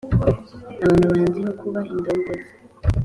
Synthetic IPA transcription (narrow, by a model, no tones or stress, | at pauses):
aβaːnhuβaːɲɟiɦokʰuβaindoːŋɡozi̥